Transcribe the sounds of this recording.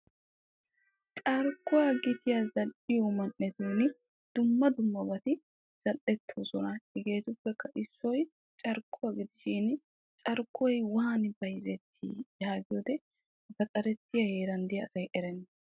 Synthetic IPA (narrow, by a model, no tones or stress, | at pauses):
t͡ʃʼɐɾkːʊwaɡɪt̪ɪjazɐlʔɪjomɐnʔːɛt̪uːnɪ | d̪̥ʊmːɐd̪ʊmːɐbɐt̪ɪ | z̥ɐlʔɛt̪ʰːoːsɔnɐhɪɡe̞ːt̪ʊpːɛkːɐʔɪsːɔj | t͡ʃʼɐɾkʰːʊwaɡɪd̪ɪʃɪn | t͡ʃʼɐɾkʰːɔjwaːnbɐjzɛt̪ʰːḭːjaːɡɪjod̪ɛ | zɐkʼɐɾɛt̪ːɪjɐheːɾɐnd̪ɪjɐːsɐjʔɛɾɛnː